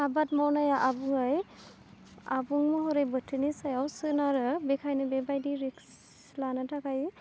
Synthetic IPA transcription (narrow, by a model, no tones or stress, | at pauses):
abat̚mawnajaʔabuŋɯj | abuŋmɯɦɔɾejbɯtʰɯnisajawsɯnaɾɯbɛkʰajnɯbebajdiɾiks | lanatʰakʰaj